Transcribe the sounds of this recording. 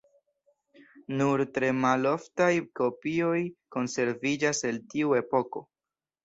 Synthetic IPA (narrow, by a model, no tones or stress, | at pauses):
nuɾtɾe̞malo̞ftajko̞pio̞jko̞nse̞ɾvid͡ʒase̞ltiue̞po̞ko̞